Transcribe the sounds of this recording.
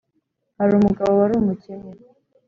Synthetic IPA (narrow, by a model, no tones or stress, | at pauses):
haɾumuɡaβowaɾumuceme